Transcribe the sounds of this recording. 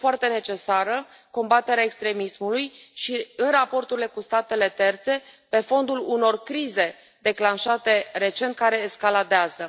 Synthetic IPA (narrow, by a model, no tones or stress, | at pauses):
foart̪e̞ne̞t͡ʃe̞saɾə | ko̞mbat̪e̞ɾeaekst̪ɾe̞mismulujʃiɨnrapo̞rt̪uɾile̞kust̪at̪e̞le̞t̪e̞rt̪se̞pe̞fo̞nd̪uluno̞rkɾize̞ | d̪e̞klanʃat̪e̞re̞t͡ʃe̞nt̪̚kaɾe̞ːskalad̪eazə